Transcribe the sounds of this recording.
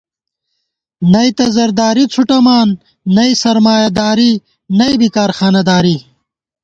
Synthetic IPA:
nɐjt̪ɐzɐɾd̪aːɾit͡sʰuʈɐmaːnː | ɐisɐɾmaːjɐd̪aːɾi | nɐjbikaːɾxaːnɐd̪aːɾi

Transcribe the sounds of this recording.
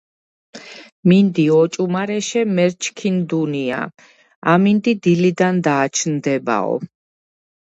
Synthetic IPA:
mind̪iɔt͡ʃʼumaɾɛʃɛmɛɾt͡ʃʰkʰind̪unia̰ | amind̪id̪ilid̪and̪aːt͡ʃʰnd̪ɛba̰ɔ̰

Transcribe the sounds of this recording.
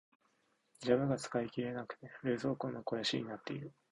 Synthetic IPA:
d͡ʑaβɯɡat͡sɨ̥kaikʲiɾe̞nakɯ̟̥t̪e̞ɾɯ̟ːzo̞ːkõnːoko̞jaɕiɲ̟inat̪ːe̞iɾɯ̟

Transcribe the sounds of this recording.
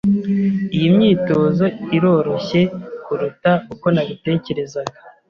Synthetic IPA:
ijimɲiːto̞ːzo̞iɾo̞ːɾo̞çe̞kuɾutauko̞naβite̞ːce̞ɾe̞zaɡa

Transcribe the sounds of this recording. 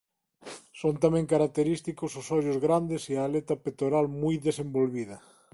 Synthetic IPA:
sont̪amẽŋkaɾak̚t̪eɾist̪ikososɔʎozɣɾand̪esialet̪apet̪oɾalmujðesembolβið̞ɐ

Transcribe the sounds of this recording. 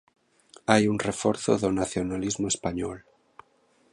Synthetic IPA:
ajunrefoɾθoðonaθjonalizmoespaɲo̰l

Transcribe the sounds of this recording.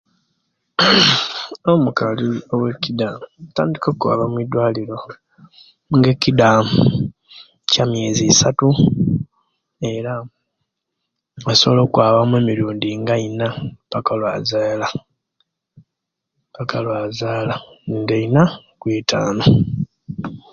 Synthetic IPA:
omukaliowe̞kːidataːndikoːkwa̰ːβamwidwaːliɾo̞ | ŋɡekːida | camje̞ːzisatu | e̞ɾa | asoβolokwaːβamweːmiɾuːndiŋɡainapakalwaːzaːla | pakalwazaːlandeinakwiːtʰaːno̞

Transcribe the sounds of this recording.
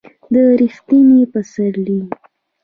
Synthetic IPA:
d̪əɾixt̪inipasaɾli

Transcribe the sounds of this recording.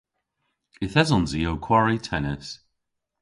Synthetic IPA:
ɪθɛzɔnziowkʰw̥aɹitʰɛnɪs

